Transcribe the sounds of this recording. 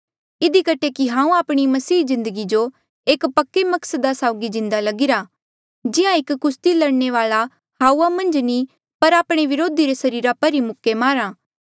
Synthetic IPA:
ɪd̪ikɐʈʰekiɦãːũaːpɽ̃imɐsiːzɪ̃nd̪əɡid͡ʒo | eːkpɐkːemɐksəd̪asaːʊɡid͡ʒɪ̃nd̪alɐɡɪɾa | d͡ʒɪãɪkːʊst̪ilɐɽneʋaːɭa | haːuːamɐ̃nd͡ʒni | pɐɾaːpɽ̃eʋɪɾoːd̪iɾesɐɾiːɾapɐɾimʊkːemaːɾãː

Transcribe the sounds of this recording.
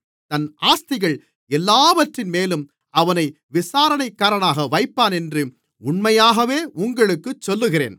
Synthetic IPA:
t̪ɐnaːst̪ɪɣɐɭ | ɛlːaːʋɐʈrɪnmeːlɯm | ɐʋɐnɐɪ | ʋɪsaːɾɐnɐɪkːaːɾɐɳaːɣɐʋɐɪpːaːnɛndrɯ | ʊɳmɐjaːɣɐʋeːʔʊŋɡɐɭɯkːɯt͡ʃːɔlːɯɣɪrḛːn

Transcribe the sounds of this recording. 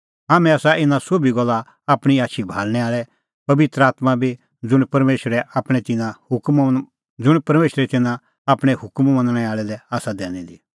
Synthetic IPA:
ɦaːmɛ̃aːsaʔɪnãsoːbʱiɡɔlːa | aːpɽ̃iaːtʃʰibʱaːlñɛaːɭɛ | pɐʋɪt̪ɾəaːt̪mabʱi | d͡zʊɽ̃pɐɾmeːʃəɾɛʔaːpɽ̃ɛt̪ɪnãhʊkm | d͡zʊɽ̃pɐɾmeːʃɾɛt̪ɪnã | aːpɽ̃ɛhʊkmmɐ̃nəɽ̃ɛaːɭɛlɛaːsad̪ɛːñĩd̪i

